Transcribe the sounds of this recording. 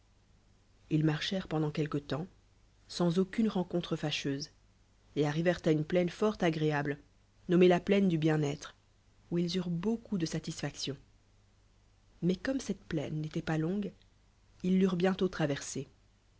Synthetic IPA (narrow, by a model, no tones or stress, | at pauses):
ilmaʁʃɛʁpɑ̃d̪ɑ̃kʲɛlkət̪ɑ̃ | sɑ̃zokʲynʁɑ̃kɔ̃t̪χəfaʃøz | eaʁivɛʁt̪aynplɛnfɔʁt̪aɡʁeabl | nɔmelaplɛnd̪ybjɛ̃nɛt̪χ | uilzyʁbokʰud̪əsat̪isfaksjɔ̃ | mɛkɔmsɛt̪plɛ̰nːet̪ɛpalɔ̃ɡ | ilːyʁbjɛ̃t̪ot̪χavɛʁse